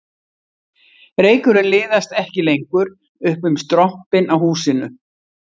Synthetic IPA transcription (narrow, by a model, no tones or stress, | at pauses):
reːjkʏɾɪnlɪːðast̪ɛhcɪlejŋkʏɾ | ʏhpʏmst̪ɾɔhpɪnawhuːsɪnʏ